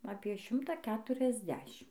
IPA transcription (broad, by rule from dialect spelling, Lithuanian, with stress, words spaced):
ɐpʲiɛ ˈʃʲɪmtɐ ˌkʲæːtʊrʲɛzʲˈdʲæːʃʲɪm